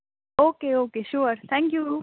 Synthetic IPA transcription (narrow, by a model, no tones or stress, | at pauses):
oːkeːoːkeʃuɾt̪ʰæ̃ŋkju